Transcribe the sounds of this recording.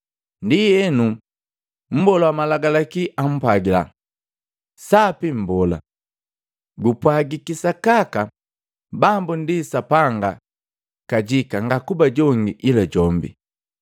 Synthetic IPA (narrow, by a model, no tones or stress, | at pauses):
ndiɛnu | m̩bɔlawamalaɡalakiʔam̩pwaɡila̰ | sapim̩bɔla̰ | ɡupwaɡikisakaka | bambundisapaŋɡa | kaɟikaŋɡakubaɟɔŋɡiʔilaɟɔmbḭ